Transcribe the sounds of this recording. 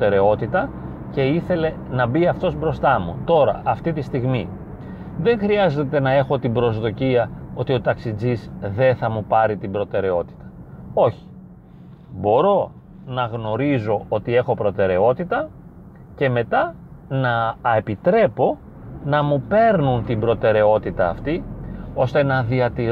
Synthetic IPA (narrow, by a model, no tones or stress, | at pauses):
e̞ɾe̞o̞t̪it̪ɐ | ce̞iθe̞le̞ | nɐbiɐft̪o̞zbɾo̞st̪ɐmṵt̪o̞ɾɐ̰ʔɐft̪it̪ist̪iɣmi | ðe̞ŋxɾiɐze̞t̪e̞nɐe̞xo̞t̪ibɾo̞zðo̞ciɐo̞t̪io̞t̪ɐksid͡zizðe̞θɐmupɐɾit̪ibɾo̞t̪e̞ɾe̞o̞t̪i̥t̪ɐ̥o̞çi̥ | bo̞ɾo̞ | nɐɣno̞ɾizo̞o̞t̪ie̞xo̞pɾo̞t̪e̞ɾe̞o̞t̪it̪ɐ | ce̞me̞t̪ɐ | nɐepit̪ɾe̞po̞ | nɐmupe̞ɾnunt̪imbɾo̞t̪e̞ɾe̞o̞t̪it̪ɐːft̪io̞st̪e̞nɐðiɐt̪i